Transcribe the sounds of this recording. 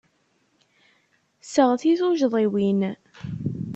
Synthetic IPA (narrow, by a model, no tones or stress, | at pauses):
səʁθiθuʒðˤiwin